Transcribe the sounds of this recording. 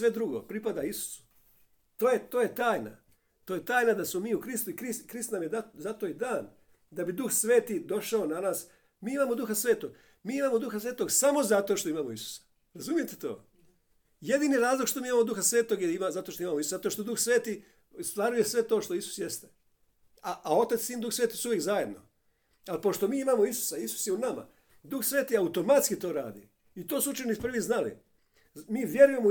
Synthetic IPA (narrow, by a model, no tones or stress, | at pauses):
ʋe̞d̪ɾuɡo̞̰pɾipad̪aisu̥su̥ | t̪oːjet̪oːje̞t̪aːjna̰ | t̪oːjet̪aːjnad̪asmomiːukɾist̪uikɾiskɾist̪namjed̪azat̪o̞id̪aːn | d̪abid̪uxsʋe̞ːt̪id̪o̞ʃaonanaːs | miːimaːmod̪uxasʋe̞ːt̪o̞ɡ | miːimaːmo̞d̪uxasʋe̞ːt̪o̞ɡsamo̞zat̪oʃt̪o̞imaːmoisu̥sḁ | ɾazumije̞t̪et̪o̞̰ː | je̞d̪iːniɾaːzlˠokʃt̪o̞miːimaːmod̪uxasʋe̞ːt̪o̞ɡjeimazat̪oʃt̪oimaːmoisu̥sazat̪oʃt̪od̪uxsʋe̞ːt̪i | st̪ʋaɾujesʋe̞t̪o̞ːʃt̪o̞isu̥sjest̪e | aao̞t̪at̪siːnd̪uxsʋet̪osuʋjekzaje̞d̪no̰ | alpo̞ʃt̪o̞miːimaːmoisu̥saisu̥sjeunama̰ | d̪uxsʋe̞ːt̪iaut̪o̞mat̪skit̪o̞ːɾa̰ːd̪ḭ | it̪o̞ːsuut͡ʃenipr̩ʋiznalḭ | miːʋje̞ɾuje̞mo